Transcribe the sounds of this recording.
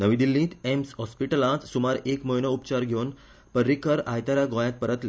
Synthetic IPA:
nəʋĩd̪ilːĩːt̪emshɔspiʈəlãt͡s̪sumaɾekməjnəupt͡ɕaɾɡʱewn | pəɾːikəɾajt̪aɾaɡõjãt̪̚pəɾət̪le

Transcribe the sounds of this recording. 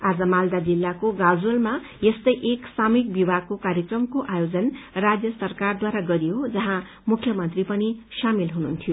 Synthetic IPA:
ad͡zʌmald̪ad͡zilːakoɡad͡zuʌlma | jest̪ʌjʔeksamik̚bibʱakokaɾjʌkrʌmkoʔajod͡zʌnrad͡zjʌsʌrkard̪waɾaɡʌɾijod͡zʌɦã | mukʰjʌmʌnt̪ripʌnisamilɦununt̪ʰijo

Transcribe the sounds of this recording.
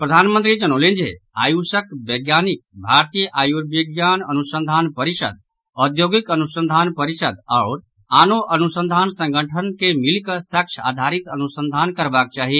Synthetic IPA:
pɾəd̪ʱaːnmə̃nt̪ɾid͡ʒənoːlẽnd͡ʒḛa̰ːjusəkʋeɡjaːnikbʱaːɾt̪ijəʔaːjuɾbeɡjaːnənusə̃nd̪ʱaːnpəɾiʃə̰d̪̚ | ɔd̪joːɡikənusə̃nd̪ʱaːnpəɾiʃəd̪ɔːɾ | aːnoʔɐnusə̃nd̪ʱaːnsə̃ŋɡʱəʈʰənkemilkəsəkt͡ʃʰa̰ːd̪ʱaːɾit̪ənusə̃nd̪ʱaːnkəɾbaːk̚t͡ʃaːɦi

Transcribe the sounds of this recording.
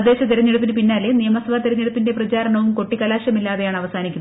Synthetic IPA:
d̪ːe̞ːɕɐt̪eɾɐɲːeɽup̬ːinɨpinːaːlenijɐmɐsɐʋaːt̪eɾɐɲːeɽupːinde̞prɐt͡ɕaːɾɐɳɐʋumko̞ʈːikːɐlaːɕjɐmilːaːðejaːɳɐʋɐsaːnikʲːu

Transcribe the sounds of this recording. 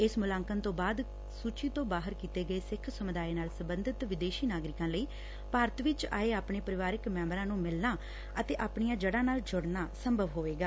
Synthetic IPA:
ɪsmʊlãːŋkənt̪õːbaːd̪ | suːt͡ʃiːt̪õːbaːɦəɾkiːt̪eːɡəeːsɪkʰsəmʊd̪aːeːnaːlsəbənd̪ʱɪt̪ʋɪd̪eːʃiːnaːɡɾɪkãːləiː | paːɾət̪ʋɪt͡ʃa̰ːeːaːpɳeːpəɾɪʋaːɾɪkmɛ̃ːmbɾãːnũːmɪlnaː | ət̪eːʔaːpɳijãːd͡ʒəɽãːnaːld͡ʒʊɽnaːsəmbʱəʋɦoːʋeːɡaː

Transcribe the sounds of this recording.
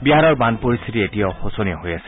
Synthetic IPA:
biɦaɹɔɹbandpoɹist̪ʰitietijaxosɔniɔɦojasɛ̥

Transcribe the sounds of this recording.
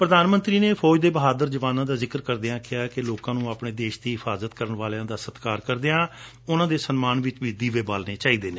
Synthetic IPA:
pɾəd̪aːnmənt̪ɾiːneːpʰɔːd͡ʒd̪eːbəɦaːd̪əɾd͡ʒəʋaːnãːd̪aːzɪkəɾkəɾd̪eãːkʰɪjaːkeloːkãːnũːaːpɳeːd̪eːʃd̪iːɦɪpʰaːzət̪kəɾəɳʋaːlãːd̪aːsət̪kaːɾkəɾd̪eãː | ʊnãːd̪eːsənmaːnʋɪt͡ʃʋiːd̪iːʋeːbaːlneːt͡ʃaːiːd̪eːneː

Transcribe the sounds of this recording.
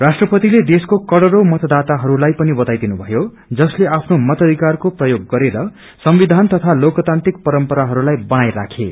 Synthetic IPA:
rasʈrʌpʌt̪iled̪eskokʌɽʌɾomʌt̪ʌd̪at̪aɦʌɾulajpʌnibʌt̪ajd̪inubʱʌjo | d͡zʌsleapʰnomʌt̪ʌd̪ʱikarkoprʌjoɡːʌɾeɾʌ | sʌmbid̪ʱant̪ʌt̪ʰalokʌt̪ant̪rik̚pʌɾʌmpʌɾaɦʌɾulajbʌnajɾa̰kʰḛ

